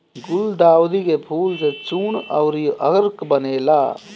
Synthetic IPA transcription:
ɡʊld̪aːwd̪ikepʰuːlset͡ʃuːɳɐ̰wɾijʔɐɡəɾkbɐneːlaː

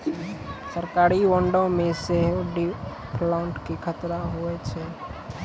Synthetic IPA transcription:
səɾkaːɾiʋəɳɖõmẽseɦɖi | pʰlaʊɳʈkikʰət̪ɾaɦoɛt͡ʃʰɛ

